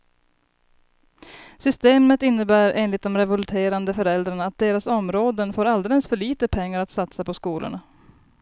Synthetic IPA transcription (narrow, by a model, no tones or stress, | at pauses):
sʏst̪eːmət̪ɪnːəbæːɾʔeːnlɪt̪̚d̪ɔmɾɛvɵlt̪ʰeːɾand̪əfœɾɛld̪ɾaɳaːt̪̚d̪eːɾasɔmɾoːd̪ənfoːɾald̪ɛlɛsfœɭiːt̪əpʰɛŋːaɾat̪sat̪sapɔskuːlʔʊ̰ɳa